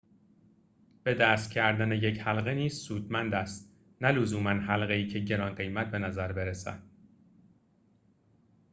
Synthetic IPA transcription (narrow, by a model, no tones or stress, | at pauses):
b̥e̞d̪æːst̪̚cʰæɾd̪æneje̞chælɣeniːz̥suːd̪mænd̪æst̪ | nælozuːmænɦælɣeiːcʰe̞ɟe̞ɾɒːnɢe̞jmæt̪̚ʰbe̞næzæɾbe̞ɾesæ̰d̪̥̚